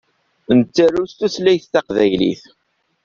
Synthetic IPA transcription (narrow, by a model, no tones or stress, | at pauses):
nt͡sːæɾust̪uθlæjθːæqðæjlḭθ